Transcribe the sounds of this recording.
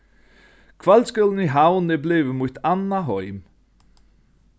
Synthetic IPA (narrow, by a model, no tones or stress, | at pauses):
kʰvalskəln̩iɦaʊnebleːvəmut̪ʰanaɦɔʏm